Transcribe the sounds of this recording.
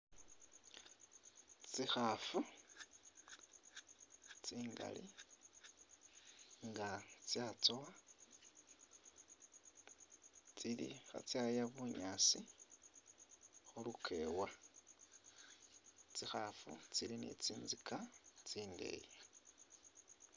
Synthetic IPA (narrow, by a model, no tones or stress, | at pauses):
t͡sixafu | t͡siːŋɡa̰lḭ | ŋɡat͡sjat͡sowa | t͡silḭxa̰t͡sjajaβuɲaːsi | xulukʰe̞̰wa | t͡sixafṵt͡silinḛt͡siːnzikat͡siːnde̞̰ːje